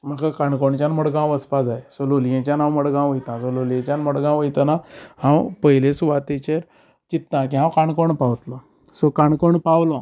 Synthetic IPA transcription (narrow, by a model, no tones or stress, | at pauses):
m̤əkakaɳkoɳt͡ɕjanməɽɡãwəspasaesololjẽt͡ɕjanãwməɽɡãw̃it̪nãsololjẽt͡ɕjanməɽɡãw̃it̪anahãwpəɦilesuʋat̪et͡ɕeɾ | t͡ɕit̪nãkĩɦãwkaɳkoɳpawt̪lɔ | sokaɳkoɳpawlɔ̃